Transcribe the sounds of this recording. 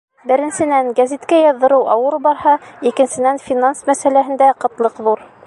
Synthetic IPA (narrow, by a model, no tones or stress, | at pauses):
bɘ̆ɾɘ̆nsɘ̆nænɡæzit̪kæjɑðːɤ̆ɾɤwʔɑwɤɾbɑɾhɑikɘ̆nsɘ̆nænfʲinansmæsælæɦɘ̆nd̪æqɤ̆t̪lˠɤqðuɾ